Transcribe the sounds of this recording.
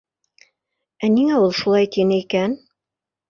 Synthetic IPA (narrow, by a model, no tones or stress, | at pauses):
æniŋæulˠʃulˠɑjt̪inɘikæn